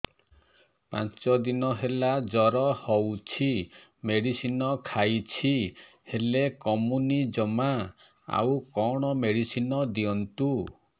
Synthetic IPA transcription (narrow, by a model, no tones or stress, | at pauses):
pã̰nt͡ʃɔd̪inɔɦelad͡ʒɔɾɔhɔwt͡ʃʰimeɽisinɔkʰajt͡ʃʰi | helekɔmunid͡ʒɔma | a̰wkɔɽ̃ɔmeɽisinɔd̪iɔnt̪u